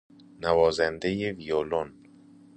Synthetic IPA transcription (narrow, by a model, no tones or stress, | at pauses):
nævɒːzænd̪ejevijolon